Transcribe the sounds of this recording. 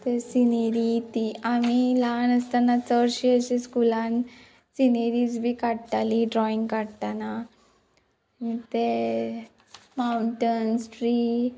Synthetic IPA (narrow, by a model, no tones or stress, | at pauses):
t̪esineɾit̪iamilanəst̪anat͡səɾɕiəɕeskulãn | sineɾid͡zbʱikaɽt̪aliɖɾɔĩŋɡkaɽt̪ana | mit̪e | mauɳʈənsʈɾiː